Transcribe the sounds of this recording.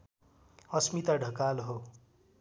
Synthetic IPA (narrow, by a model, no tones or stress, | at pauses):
ʌsmit̪aɖʱʌkalɦo